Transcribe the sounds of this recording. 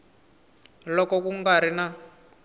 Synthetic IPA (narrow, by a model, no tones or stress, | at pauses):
lɔkɔkuŋɡaɾina